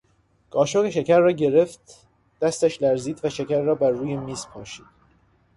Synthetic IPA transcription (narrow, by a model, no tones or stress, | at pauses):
ɡ̥ɒːʃoʁeʃecʰæɾːɒːɟe̞ɾe̞ft̪ | d̪̥æst̪æʃlæɾziːd̪væʃecæɾːɒːbæɾːuːjemiːspʰɒːʃiːd̪̥̚